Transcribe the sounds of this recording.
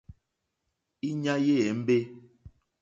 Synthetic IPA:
i˦ɲa˦je˦˨ɛ˨m̩˦be˦

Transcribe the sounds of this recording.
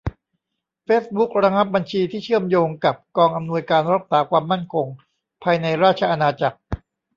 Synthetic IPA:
feː˦˥s̚bu˦˥k̚ɾa˧ŋa˦˥p̚ba˧nt͡ɕʰiː˧t̪ʰiː˥˩t͡ɕʰɯ˥˩əmjoː˧ŋka˨˩p̚kɔː˧ŋʔa˧mnu˧əjkaː˧nɾa˦˥t̪̚saː˩˦kʰwaː˧mːa˥˩nkʰo˧ŋ | pʰaː˧jna˧jɾaː˥˩t̚t͡ɕʰa˧ʔa˧naː˧t͡ɕa˨˩k̚

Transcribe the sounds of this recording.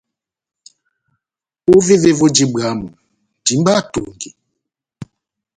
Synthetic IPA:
u˦ve˦ve˦vɔ˦d͡ʒi˦ba˨˦mɔ˨ | di˨˦mba˦˨tṵ˨ŋɡi˨

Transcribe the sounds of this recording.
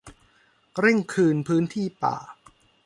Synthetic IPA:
ɾe˥˩ŋkʰɯː˧npʰɯː˦˥nt̪ʰiː˥˩pa̰ː˨˩

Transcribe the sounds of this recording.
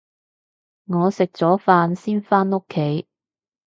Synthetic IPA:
ŋɔː˨˧sɪ˨k̚t͡sɔː˨˥faː˧nsiː˥nfaː˥no˥kʰːe˨˥j

